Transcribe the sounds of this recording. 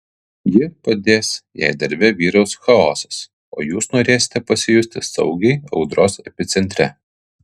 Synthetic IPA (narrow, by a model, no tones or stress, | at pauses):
jɪpɐd̪ʲeːsjɛ̰ˑɪd̪ɐɾʲbʲɛʋʲiːɾɒʊsxɐɔːsɐs | oːjuːsnoːɾʲeːsʲɪ̥t̪ʲɛpɐsʲɪjʊsʲt̪ʲɪsɐ̰ʊɡʲɛɪɐʊd̪ɾoːsɛpʲɪt̪sʲɛnʲt̪ʲɾʲɛ